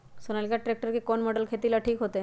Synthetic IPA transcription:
sonalkjaʈɾeːk̚ʈəɾkekonmɔɖəlkʰet̪ilaʈʰiːkɦoːt̪e

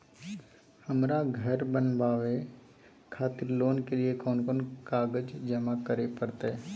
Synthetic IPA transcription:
hɐmɾaɡʱɐɾbənbaːʋe | kʰaːt̪ɪɾloːnkeliekɔːnkɔːnkaːɡəd͡ʒd͡ʒɐmakəɾepɐɾt̪ɦɛː

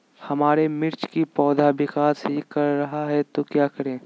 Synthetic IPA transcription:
hɐmaːɾemɪɾt͡ʃkipɔːd̪ʱabɪkaːsɦikɐɾːɐɦaɦɛt̪okjaːkɐɾẽː

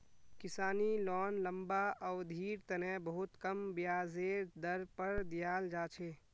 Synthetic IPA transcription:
kɪsaːnilɔːnləmbaɔːd̪ʱiːɾt̪ənɛbəɦʊt̪kəmbjaːzeːɾd̪əɾpəɾd̪ijaːld͡ʒaːt͡ʃʰeː

